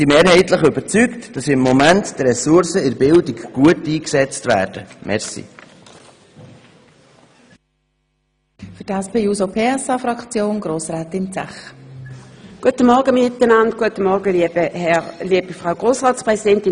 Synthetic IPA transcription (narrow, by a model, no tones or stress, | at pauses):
simeːɾhɛɪtləχʏbəɾt͡syktd̥ɑsɪmːɔmɛntd̥ɾɛsʊɾsəɪɾbɪldikɡ̥uətiːksɛt͡stvæ̰ːɾd̥əmʔɛ̰ɾsḭ | fʏdæspeːuːsopʰeːɛsɑfɾɑkt͡sjoːnɡɾoːsʁɛːtɪnt͡sɛ̰χ | ɡ̥uətəmɔʁɡəmɪt̪ənɑnd̚ɡ̥uətəmɔʁɡəlibəhɛʁliːəb̥əfʁaʊɡ̥ʁoːsʁɑːtspʁɛsidɛntɪ